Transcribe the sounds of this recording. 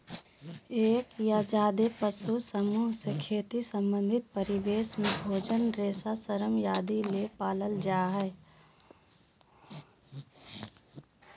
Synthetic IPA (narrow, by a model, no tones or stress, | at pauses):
eːkjad͡ʒaːd̪epəsusəmuːɦsekʰeːt̪isə̃mbə̃nd̪ʱɪt̪̚pəɾɪʋeːsmẽbʱoːd͡ʒənɾeːsasəɾəmjaːd̪ilepaːləld͡ʒaːɦɛː